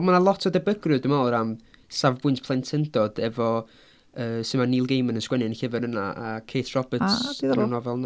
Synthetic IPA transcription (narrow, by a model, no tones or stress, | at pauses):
manalˠɔtʰɔdɛbəɡrɨdɨmaowɾamsavbʊɨntpʰlˠɛntʰɛndɔd̥ɛvɔ | əːsɪmaniːlˠɡejmənənskwɛnɪnɬɪvəɾənaakʰejtʰrɔbətsianɔvɛlˠn